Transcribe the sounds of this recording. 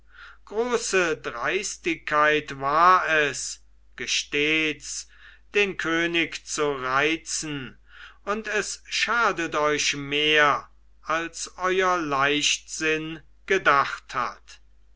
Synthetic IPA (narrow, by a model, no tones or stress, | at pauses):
ɡ̥ʁoːsədʁaɪstɪkʰːaɪtvaːɐɛs | ɡ̥əʃteːt͡s | d̥eːnkʰøːnɪkt͡suʁaɪt͡sn̩ | ʊntɛsʃaːdətɔʏʃmeːɐ | ʔalsʔɔʏɐlaɪʃtz̥ɪn | ɡ̥ədaχtha̰t